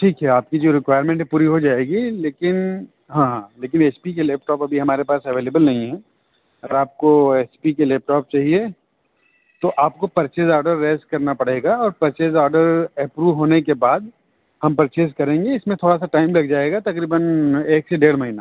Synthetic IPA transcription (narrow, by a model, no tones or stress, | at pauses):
ʈʰiːkɦɛaːp̚kid͡ʒoːɾɪkʋaːɪəɾmẽɳʈɦpuːɾiɦod͡ʒaːeːɡileːkɪn | ɦãːleːk̬ɪneːspik̬eleːp̚ʈɔːpɐbʱiɦɐmaːɾepaːsɐʋeːleːbəlnɐɦĩɦɛ̃ː | ɐɡəɾaːp̚koeːspikeleːp̚ʈɔːp̚t͡ʃaːɦie | t̪oʔaːp̚kopɐɾt͡ʃeːzɔːɾɖəɾːeːskɐɾnapɐɽ̤eːɡaɔːɾpɐɾt͡ʃeːzɔːɾɖəɾɛpɾuːʋɦoːnekebaːd̪ | hɐmpɾt͡ʃeːzkɐɾẽːŋɡeɪsmẽt̪ʰoːɽasaʈaːɪmlɐɡd͡ʒaːeːɡat̪ɐkɾiːbəneːkseɖeːɽmɐɦiːna